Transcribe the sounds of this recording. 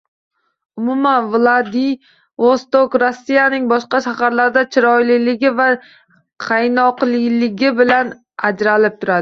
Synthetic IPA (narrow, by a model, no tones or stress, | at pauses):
ʊmʊmanvlˠad̪i | vost̪okɾosːijanɪŋbɒʃqɑʃahaɾlaɾd̪at͡ʃʰɪɾɒjlɪlɪɡʲɪva | qʰajnɒqlˠɪlɪɡʲɪbɪlan | ad͡ʒɾalɪp̚t̪ʰʊɾad̪ɪ